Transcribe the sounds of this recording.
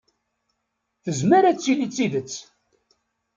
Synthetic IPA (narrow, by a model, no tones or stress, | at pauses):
θəzməɾæt͡sːilit͡sːiðət͡sː